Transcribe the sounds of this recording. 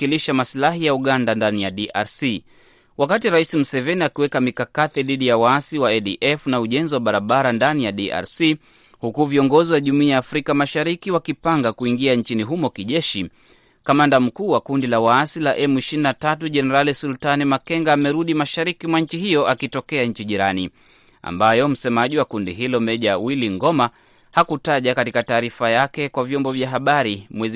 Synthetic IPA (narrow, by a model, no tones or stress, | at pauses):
kiliʃamaslaɦijauɠandandanijaɗiʔa̰ɾsi | wakatiɾaisim̩sɛvɛniakiwɛkamikakaθiðiɗijawaasiwaɛɗiʔɛfnauʄɛnziwaɓaɾaɓaɾandanijaɗiʔa̰ɾsi | hukuviɔŋɡɔziwaʄumuiaːfɾikamaʃaɾikiwakipaŋɡakuiŋɡiaɲt͡ʃiniɦumɔkiʄɛʃi | kamandam̩kuːwakundilawaasilaʔɛmuiʃininatatuʄɛnɛɾalisultanimakɛŋɡaːmɛɾuɗimaʃaɾikimwaɲ̩t͡ʃiɦijɔʔakitɔkɛaɲ̩t͡ʃiʄiɾani | a̰mbajɔm̩sɛmaʄiwakundḭɦilɔmɛʄawiliŋɡɔma | hakutaʄakatikataːɾifajakɛkwavjɔmbɔvjaɦaɓaɾimwɛz